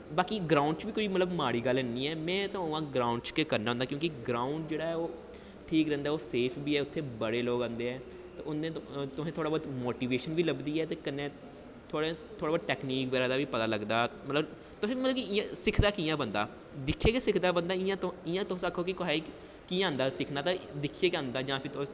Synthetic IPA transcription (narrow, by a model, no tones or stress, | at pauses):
baːkiːɡɾaːʊɳɖt͡ʃʋiːkoːiːmət̪ləbmaːɽiːɡəlɛːniːɛːmɛ̃ːt̪õãːɡɾaːʊɳɖt͡ʃkekəɾnaːõnd̪aːkjõːkiɡɾaːʊɳɖd͡ʒeːɽaːɦɛːoː | ʈʰiːkɾɛ̃ːnd̪aɛːoːseːpʰbiːɛːʊt̪ʰːeːbəɽeːloːɡãːnd̪eːɛː | t̪eʊnẽːt̪ʊsẽːt̪ʰoːɽaːbaːd̪moːʈiːʋeːʃənbiːləbd̪iːɛːt̪eːkəneː | t̪ʰoːɽet̪ʰoːɽaːbaːd̪̚ʈɛːkniːkbɛːɾaːd̪aːʋiːpət̪aːləɡd̪aːmət̪ləb | t̪ʊsẽːiːələbkiɪãsɪkʰd̪aːkiːjãːbənd̪a̰ː | d̪ɪkʰːeːkesɪkʰd̪aːbənd̪aːɪãːt̪ɪjãːt̪ʊsakʰːoːkɪkoɦaːi | kiːãːnd̪aːsɪkʰnaːt̪ãːd̪ɪkʰːieːkãːnd̪aːd͡ʒãːpʰɪɾt̪ʊ̃